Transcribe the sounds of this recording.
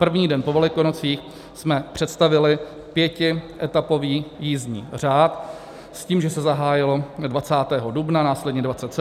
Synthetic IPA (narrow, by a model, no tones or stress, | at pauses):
pr̩vɲiːdɛnpovɛlɪkonot͡siːx | smɛpr̝̥ɛt̪st̪avɪlɪ | pjɛcɪʔɛt̪apo̞viːjiːzɲḭːr̝aːt̪ | sciːmʒɛsɛzaɦaːjɪlo̞dvat͡saːt̪ɛːɦodubnanaːslɛdɲɛdvatt͡sɛt̪sɛ